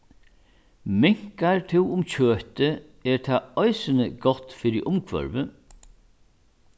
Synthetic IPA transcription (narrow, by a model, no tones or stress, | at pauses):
mɪŋ̥kaɹt̪ʰɪwʊmt͡ɕʰøːht̪ə | ɛɾt̪ʰaɔjsɪnəɡɔt̪fiːɾɪʔʊmkʰvœ̰ɾvə